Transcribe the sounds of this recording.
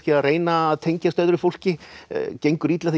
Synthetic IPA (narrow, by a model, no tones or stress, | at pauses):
cɪaðreːjnaðt̪ʰejɲcast̪œːðɾɪfowl̥cɪcejŋkʏɾit̪laθ